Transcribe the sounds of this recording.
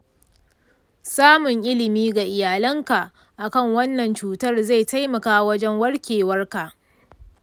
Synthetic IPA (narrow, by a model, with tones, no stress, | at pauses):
saː˦mʊ˨ŋʔɪ˦lɪ˨miː˦ɡa˨ʔɪ˨jaː˨lɐ˦ŋka˨ʔ | ʔa˨kɐ˦˨ŋwɐ˦nːɐ˨nt͡ʃuː˨tɐ˦˨rza˦˨jta˦jmɐ˨kaː˦wɐ˦d͡ʒɛ˦ŋwɐ˦ɽkʲeː˨wɐ˦rka˨ʔ